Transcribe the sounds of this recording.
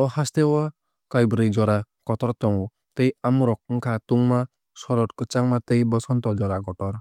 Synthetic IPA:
ɔhast̪ewa | kajbɾejd͡ʒɔɾa | kɔt̪ɔɾt̪ɔŋ | t̪ejamɾɔk̚ŋ̩kʰat̪uŋma | sɔɾɔʈkɯt͡ʃaŋmat̪ejbɔsɔnt̪ɔd͡ʒɔɾaɡɔʈɔɾ

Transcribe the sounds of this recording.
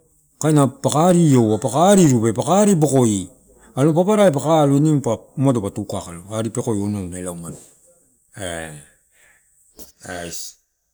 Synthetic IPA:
kajnapakaɾio̞wapakaɾiɾube̞pakaɾibo̞ko̞i | alopapaɾaep̬akaluinimpamadopatukakaloaɾipe̞ko̞jonawnaelawmado | e | ajs

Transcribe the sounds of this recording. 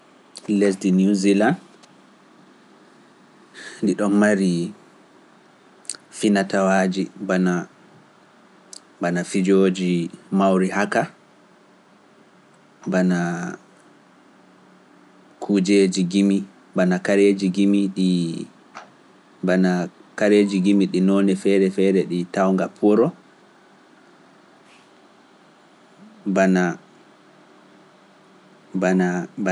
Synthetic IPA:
les̬dinuziland | ndiɗɔnmaɾi | finatawad͡ʒibana | banafid͡ʒoːd͡ʒimawɾihaka | bana | kʰud͡ʒed͡ʒiɡimi | banakaɾed͡ʒiɡimiɗi | banakaɾed͡ʒiɡimiɗinɔnɛfɛɾɛfɛːɾɛɗitawŋɡapʰɔɾɔ | bana | banab

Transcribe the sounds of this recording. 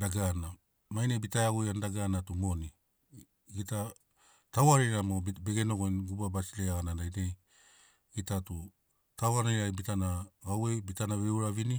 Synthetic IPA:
daɡana | majnebitajaɡujandaɡanatumo̞ni | ɡita | tawaɾiɾamobeɡenoɡonɡubabasileaɡanandajnej | ɡitatu | tawanajɾajbitanaɡawebitanaβeuɾavini

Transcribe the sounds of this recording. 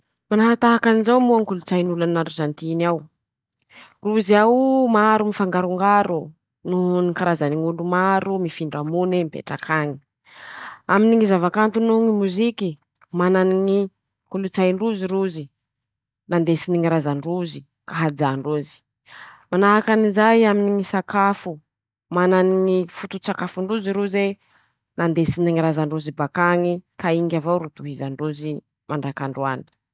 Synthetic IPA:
manaɦat̪aɦakanizawmuaŋkulut͡sajnulanaɾuzant̪inaw | ruziawmaɾumifaŋɡaɾuŋɡaɾu | nunikaɾazaniŋulumaɾumifiɳɖ͡ʐamunemipḛʈ͡ʂakaɲi̥ | aminiŋizavakant̪unuŋimuziki | mananiŋi | kulut͡sajɳɖ͡ʐuziɾuzi | nand̪esiniŋiɾazaɳɖ͡ʐuzi | kaɦad͡zaɳɖ͡ʐuzi̥ | manaɦakanizajaminiŋisakafu | mananiŋifut̪ut͡sakafuɳɖ͡ʐuziɾuze | nand̪esiniŋiɾazaɳɖ͡ʐuzibakaŋikaiŋɡʲavowɾut̪uɦizaɳɖ͡ʐuzi | maɳɖ͡ʐakaɳɖ͡ʐua̰n̥

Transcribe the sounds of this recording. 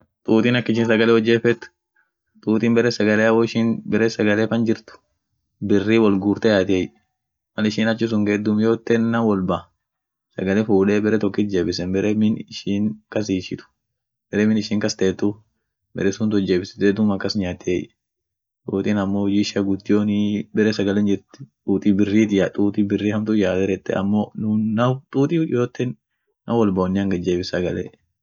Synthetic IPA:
t̪ʼuːt̪ʼinɐkːɪʃ̬ɪːnsɐɡɐlɛwɔd͡ʒːeːfɛt̪ːʊ̥ | t̪ʼuːt̪ɪnbɛɾɛsɐɡɐleːɐwɔɪʃɪnbɛɾɛsɐɡɐleːfɐnd͡ʒɪɾt̪ʊ̥ | bɪrːiwɔlɡuːɾt̪ɛjaːt̪eːj | mɐlɪʃɪːnɐt͡ʃːɪs̬ʊŋɡɛd̪ːʊmjoːt̪ːɛnːɐwɔlbɐ | sɐ̰ɡɐlɛfuːᶑeːbɛɾɛt̪ɔkːɪt̪̚d͡ʒeːbɪsɛnbɛɾʔɛmɪnɪʃiːnkɐs̬iːʃɪt̪ʊ̥ | b̥ɛɾɛmɪnɪʃiːŋkɐst̪eːt̪ːʊ | bɛ̰ɾɛsʊnt̪̬ʊd͡ʒeːbɪsɪ̥t̪eːd̪ʊmɐkːɐsɲaːt̪ʰːeːjɛ | t̪ʼuːt̪ʼiːnɐmːohʊd͡ʒiːʃɐɡʊd̪ːɪjoːnɪbɛɾɛsɐɡɐlɛnd͡ʒɪɾt̪ɪ̥t̪ʼuːt̪ʼibɪrːiːt̪ɪjaːt̪ʼuːt̪ʼibɪrːiːhɐmt̪ʊjaːd̪ɛɾɛt̪ːɛ̰ɐ̰mːoːnʊnɐt̪ʼuːt̪ʼɪjʔoːt̪ːɛnː | ɐwɔlbɐɔnːɪɐŋɡɐd͡ʒeːbɪsɐɡɐlḛ

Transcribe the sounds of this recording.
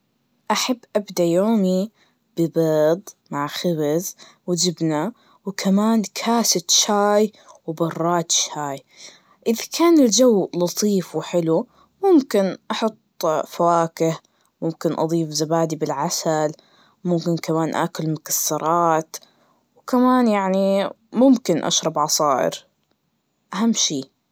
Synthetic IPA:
ʔaħabːʔabd̪ajoːmi | b̥ɪbed̪ˤmaʕxɪbazwd͡ʒɪbna | wkʰamaːnkʰaːsɪt̪ʃaːj | wbɑrˤːɑːt̪ʃhaːj | ʔɪðakʰaːnɪld͡ʒawːlɑt̪ˤiːfwħɪlu | mʊmkɪnʔɑħʊt̪ˤːfawaːkɪh | mʊmkɪnʔɑ̰d̪ˤiːfzabaːd̪ibɪlʕasal | mʊmkɪnkamaːnʔa̰ːkʊlmʊkḁsːɑɾˤɑːt̪ | wkamaːnjaʕni | mʊmkɪnʔa̰ʃɾˤɑbʕɑsˤɑːʔɪ̰ɾ | ʔaɦamːʃiː

